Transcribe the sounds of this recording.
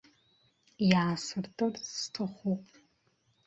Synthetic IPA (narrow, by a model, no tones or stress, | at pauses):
jaːsɨrtʼɨrstʰɐχʷupʼ